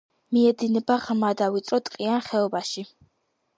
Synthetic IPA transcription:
miɛd̪inɛbaʁmad̪avit̪sʼɾɔt̪ʼqʼianχɛɔbaʃi

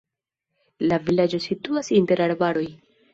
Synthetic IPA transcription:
lavilad͡ʒo̞situasinte̞ɾaɾbaɾo̞j

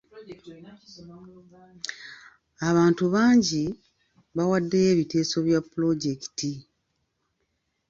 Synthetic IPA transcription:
aβaːntuβaːɲɟi | βawadːe̞je̞ːβite̞ːso̞βjapːulo̞ɟe̞ki̥ti

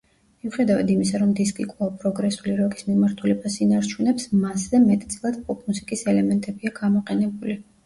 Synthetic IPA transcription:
miuχɛd̪avad̪imisaɾɔmd̪iskʼikʼvaapʼɾɔɡɾɛsuliɾɔɡismimaɾt̪ʰulɛbasinaɾt͡ʃʰunɛpsmaszɛmɛt̪ʼt̪sʼilˠad̪̥pʰʼɔpʰmusikʼisɛlɛmɛnt̪ʼɛbiaɡamɔqʼɛnɛbuli

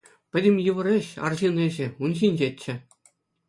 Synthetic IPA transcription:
pʲɘ̆dʲɘ̆mʲjɯʋɤ̆ɾʲĕɕɑ̰rʑinĕʑɘ̆unɕinʲd͡ʑetʲt͡ɕːɘ̆

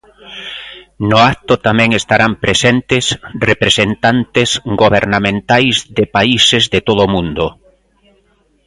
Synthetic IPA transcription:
nʊak̚t̪ʊt̪amɛ̃ŋest̪aɾampɾesent̪ɪsrepɾesent̪ant̪esɡoβeɾnamẽnt̪ajzðɪpaisezðet̪oðʊmũnd̪ʊ

